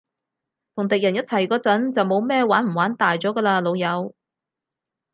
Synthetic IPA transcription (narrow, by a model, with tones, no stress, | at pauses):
t̪ʰʊ˨˩ŋt̪ɪ˨k̚jɐ˨˩njɐ˥t̚t͡sʰɐ˨˩jkɔː˧t͡sɐ˨˥nt͡sɐ˨wmo˨˧wmɛː˥˧waː˨˥nm̩˨˩waː˨˥nt̪aː˨jt͡sɔː˨˥ɡəː˧laː˧lo˨˧wjɐ˨˧w